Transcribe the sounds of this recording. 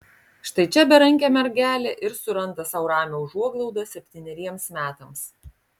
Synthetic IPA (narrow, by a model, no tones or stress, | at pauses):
ʃt̪ɐɪt͡ʃʲɛbʲɛɾɐŋʲkʲɛmʲɛɾʲɡʲæːlʲeːʔɪɾsʊɾɐnˑt̪ɐsɐʊɾɑːmʲoʊʒuɔɡlˠɐʊd̪ɐsʲɛpʲt̪ʲiːnʲɛɾʲiɛmsmʲæːt̪ɐms